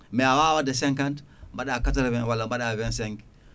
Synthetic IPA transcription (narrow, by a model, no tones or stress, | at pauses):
meawawadas̬eŋkant | mbaɗakataɾβenwalːambaɗavenseŋɡ